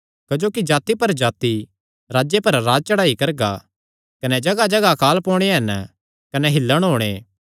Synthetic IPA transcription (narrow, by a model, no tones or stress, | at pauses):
kɐd͡ʒoːkid͡ʒaːt̪ipɐɾd͡ʒaːt̪i | ɾaːd͡ʒjepɐɾːaːd͡ʒ̚t͡ʃɐɽaːikɐɾɡa̰ | kɐnɛd͡ʒɐɡad͡ʒɐɡakaːlpɔːɽ̃eɦɐn | kɐnɛɦɪlːəɽ̃ɦoːɽ̃eː